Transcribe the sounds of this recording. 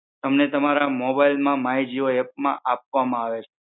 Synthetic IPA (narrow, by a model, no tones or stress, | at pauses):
t̪əmnet̪əmaɾamɔbailmãmaid͡ʒioɛp̚mã̰ʔap̚ʋamãaʋet͡ʃʰe